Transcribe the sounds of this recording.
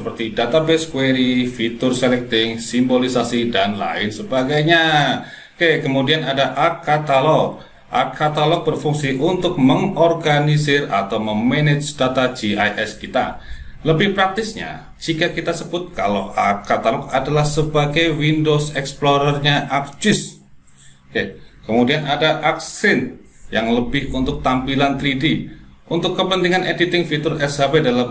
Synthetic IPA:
ssəpərt̪idat̪abeskweɾifit̪ʊrselɛk̚t̪ɪŋsimbolisasidanla̰ɪnsəbaɡajɲa | kekəmudianadaʔarkat̪alɔk̚ | ʔa̰rkːat̪alɔk̚bərfuŋsiʔunt̪ʊk̚məŋɔrɡanisɪra̰t̪awməmɛnet͡ʃd̥at̪ad͡ʒ̥iajʔɛskit̪a̰ləbɪhpɾak̚t̪ɪsɲa̰ | d͡ʒikakit̪asəbʊt̪̚kaloakat̪alɔkadalahsəbaɡajwindosɛksploɾərɲaʔak̚d͡ʒɪs | kekəmudianadaʔak̚sɪn | jaŋləbɪhunt̪ʊk̚t̪ampilant̪ɾidiʔunt̪ʊkːəpənt̪iŋanʔedit̪ɪŋfit̪ʊrɛsabedalam

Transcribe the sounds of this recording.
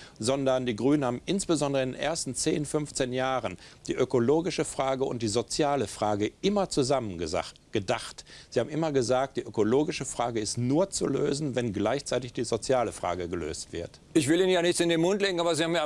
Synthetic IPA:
zɔndɐndiːɡʁyːnənhaːbm̩ɪnsb̥əzɔndəʁəɪndeːnʔḛɐstn̩t͡seːnfʏnft͡seːnjaːʁənd̥iːʔøkoloːɡɪʃəfʁ̥aːɡəʊ̰nt̚d̥iːzot͡sjaːləfʁ̥aːɡəʔɪmɐt͡suzamən | ɡ̥ədaχtz̥ihaːbm̩ʔɪmɐɡəzaːk̚t̚d̥iːʔøkoloːɡɪʃəfʁ̥aːɡəɪstnuːɐt͡sṵlø̰ːzn̩vɛnɡlaɪçt͡saɪtɪçd̥iːzot͡sjaːləfʁ̥a̰ːɡəɡəlø̰ːstv̥ɪɐt | ʔɪçv̥ɪliːnnjaːnɪçt͡sɪndeːnmʊntleːɡŋ̩aːbɐziːhaːmj

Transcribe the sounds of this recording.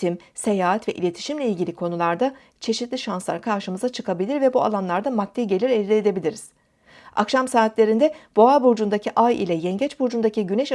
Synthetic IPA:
im | se̞jaːɦat̪vɛʔḭlʲe̞t̪ʰi̥ʃimlʲeilʲɟʲilʲikʰo̞nulˠaɾd̪a | t͡ʃʰe̞ʃit̪lʲiʃanslˠa̰ɾkʰaɾʃɯmɯzat͡ʃʰɯkʰabilʲiɾvɛbua̰lˠanlˠaɾd̪amak̚t̪ʰejɟe̞lʲiɾelʲlʲeːd̪e̞bilʲiɾiz̥ | a̰kʃamsaːt̪lʲe̞ɾind̪ɛb̥o̞abuɾd͡ʒund̪acʰiʔajḭlʲɛjɛɲɟɛt͡ʃbuɾd͡ʒund̪aciɟynɛʃ

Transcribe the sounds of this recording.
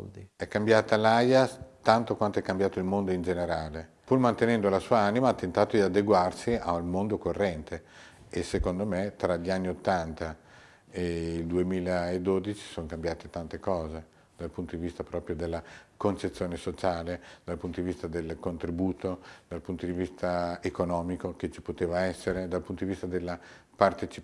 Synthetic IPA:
d̪iɛkːambjaːt̪alajat̪ant̪okwant̪oɛkːambjaːt̪oilmond̪oind͡ʒeneɾaːle | purmant̪enɛnd̪olasuːaanimaat̪ːent̪aːt̪od̪iad̪eɡwarsiaulmond̪okorːɛnt̪e | esːekond̪omet̪ɾaʎianːiot̪ːant̪a | eild̪uemiːlaed̪ːod̪it͡ʃi̥soŋkambjaːt̪et̪ant̪ekɔːze | d̪̥alpunt̪od̪ivist̪apɾɔːpɾjod̪elːakont͡ʃet̪sːjoːnesot͡ʃaːled̪̥alpunt̪od̪ivist̪ad̪elkont̪ɾibuːt̪od̪alpunt̪od̪ivist̪aekonɔːmikoket͡ʃi̥pot̪eːvaɛsːeɾed̪alpunt̪od̪ivist̪ad̪elːa | part̪et͡ʃi̥

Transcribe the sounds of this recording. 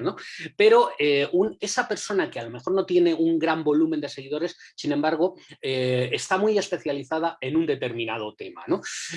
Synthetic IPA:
no̞pe̞ɾo̞eune̞sape̞ɾso̞nakealo̞me̞xo̞ɾno̞t̪je̞ne̞uŋɡɾambo̞lume̞nd̪e̞se̞ɣ̞iðo̞ɾe̞sːinẽ̞mbaɾɣ̞o̞eest̪amuje̞spe̞θjaliθað̞ae̞nund̪e̞t̪e̞ɾmĩnað̞o̞t̪e̞ma̰no̞

